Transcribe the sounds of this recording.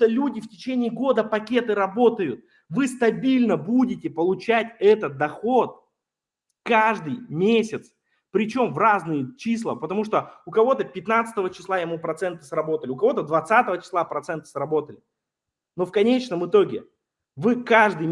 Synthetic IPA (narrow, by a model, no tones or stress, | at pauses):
olʲudʲɪftʲɪt͡ɕenʲɪːɡo̞d̪əpɐkʲe̞t̪ɨɾɐbo̞t̪əjʊt̪̚ | vɨst̪ɐbʲilʲnəbudʲɪtʲɪpəlˠʊt͡ɕætʲɛt̪ət̪̚d̪ɐxo̞t̪̚ | kaʐd̪ɨjmʲesʲɪt̪s | pɾʲɪt͡ɕo̞mvraznɨjət͡ɕislˠəpət̪ɐmuʂt̪oʊkɐvo̞t̪əpʲɪt̪nat̪sɨ̥t̪əvət͡ɕɪ̥slˠajɪmupɾɐt̪sɛnt̪əsrɐbo̞t̪əlʲɪʊkɐvo̞t̪əd̪vɐt̪sat̪əvət͡ɕɪ̥slˠapɾɐt̪sɛnt̪ə̥sɾɐbo̞t̪əlʲɪ | no̞fkɐnʲet͡ɕnəmɨt̪o̞ɡʲɪ | vɨkaʐd̪ɨ